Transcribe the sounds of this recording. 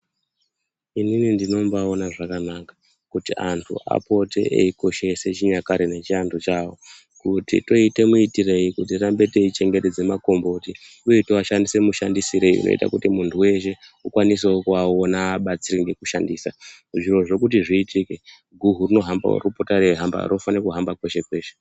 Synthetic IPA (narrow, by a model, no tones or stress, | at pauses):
ininindino̞mbaonaʐakanakḁ | kutiʔa̰ntʰṵʔa̰po̞tḛʔḛiko̞ʃe̞se̞t͡ʃiɲakaɾene̞t͡ʃiantʰut͡ʃawo | kutḭto̞ite̞muitire̞jikut̬irambe̞te̞it͡ʃe̞ŋɡe̞te̞d͡ze̞mako̞mbo̞ti | ujetoaʃandise̞muʃandisiɾe̞iṵno̰ḭta̰kutimuntʰuwe̞ʃe̞ukwanis̬okuaonaːɓat͡siriŋɡekuʃandiːsa | ʐiro̞ʐo̞kut̬iʐiːtʰike | ɡʱuɦurino̞ɦamba̰ṵrupotariɦamba̰ɾofanekuɦambakwe̞ʃe̞kwe̞ːʃe